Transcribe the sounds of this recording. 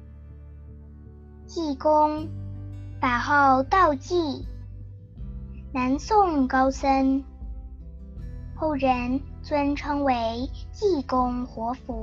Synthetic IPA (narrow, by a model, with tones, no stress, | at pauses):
t͡ɕi˥˩kʊ˥ŋ | t̪a˨˩xɑ˥˧ʊt̪ɑ˥˧ʊt͡ɕi˥˩ | na˧˥nsʊ˥˩ŋkɑ˥ʊsə˥n | xo˥˩ʊɻə˧˥nt͡swə˥nʈ͡ʂʰɤ˥ŋwe˧˥ɪt͡ɕi˥˩kʊ˥ŋxwɔ˧˥fu˧˥